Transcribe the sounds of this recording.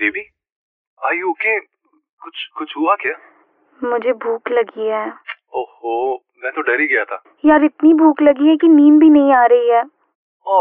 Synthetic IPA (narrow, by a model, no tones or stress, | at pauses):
d͡ʒebʱiː | aːjoːke | kʊt͡ʃʰkʊt͡ʃʰɦuakjaː | mʊd͡ʒʱebʱuːklɐɡiɛː | oho | mɛ̃ːt̪oɖɐɾiɡɐjat̪ʰaː | jaːɾɪt̪nibʱuːklɐɡiɦɛkiniːmbʱinɐɦĩaːɾɐɦiɦɛː | oː